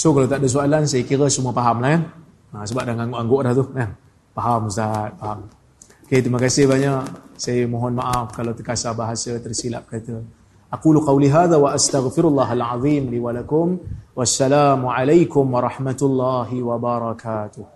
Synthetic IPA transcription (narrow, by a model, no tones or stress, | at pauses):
sokalawt̪aʔdas̬oalansajəkiɾəsuməpaɦamlahkan | asəbaʔ̚daŋaŋɡoʔaŋɡoʔlaht̪uhkan | paɦamsat̪̚paɦam | oket̪ɾimakasɪhbaɲaksajəmõɦɔnmaʔafkalawt̪əkasabaɦasət̪ərsila̰ʔ̚kat̪ə | ʔaquːluqɑwliɦaːðawaʔast̪aɣfɪɾulːaːɦalʕɑðˤiːmliwalakʊmwasːalaːmuʕalajkʊmwɑɾˤɑħmat̪lːaɦiwabaɾˤɑkaːt̪ʊh